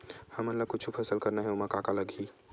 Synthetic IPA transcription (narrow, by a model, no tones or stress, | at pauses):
həmənləkʊt͡ʃʰupʰɛsəlkəɾnaɦɛomakakaləɡi